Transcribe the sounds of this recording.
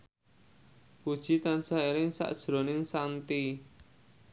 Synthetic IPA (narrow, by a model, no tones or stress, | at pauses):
pud̥ʒ̥it̪ansaiɾɪŋsa̰ʔd̥ʒ̥ɾonɪŋsant̪i